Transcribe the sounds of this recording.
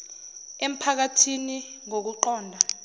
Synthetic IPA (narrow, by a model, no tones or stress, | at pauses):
em̩pʰak̬atʰini | ŋok̬uǃɔːndʱa